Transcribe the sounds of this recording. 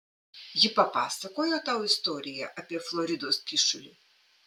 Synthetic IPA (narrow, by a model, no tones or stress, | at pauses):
jipɐpasɐkɔjɔt̪awɪst̪ɔɾʲɪjɐ̰ʔɐpʲɛflˠɔɾʲid̪ɔskʲiʂʊlʲi